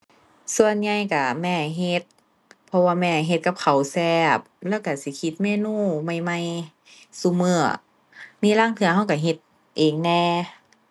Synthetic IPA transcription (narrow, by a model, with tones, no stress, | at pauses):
su˧ə˨nɲa˧jka˧˩mɛː˧˩ɦe˧t̪̚ | pʰɔ˧waː˧mɛː˧˩ɦe˧t̪̚ka˧p̚kʰa˨˩wsɛː˧˩p̚lɛː˧˥˨wka˧˩si˧˦kʰi˧˦t̪̚meː˧˨nuː˧˥˨ma˧˩jma˧j | su˧˦mɯ˧˩ɐ | miː˧˥˨laː˧˥˨ŋt̪ʰɯ˧ɐɦa˧˩wka˧˩ɦe˧˦t̪̚ | ʔeː˨˩ŋnɛː˧